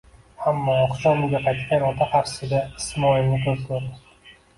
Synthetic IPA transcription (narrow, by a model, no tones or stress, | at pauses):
amːɒqʊ̥t͡ʃɒmʊɡʲaqʰɑjt̪kʲanɒt̪ʰahaɾsɪd̪ʲaɪ̥smɒɪlnɪkʲʰɵzkʰoɾd̪ɪ